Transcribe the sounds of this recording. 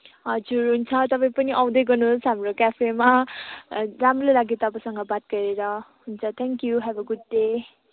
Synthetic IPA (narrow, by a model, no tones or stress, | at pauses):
ʌd͡zuɾɦunt͡sʰʌt̪ʌpãj̃pʌniʔʌw̃d̪ʌjɡʌnusɦamɾokapʰema | ɾamɾolaɡit̪ʌbasʌŋɡʌbat̪̚kʌɾeɾʌɦunt͡sʰʌt̪ʰɛŋkjuɦɛbʌɡud̚ːe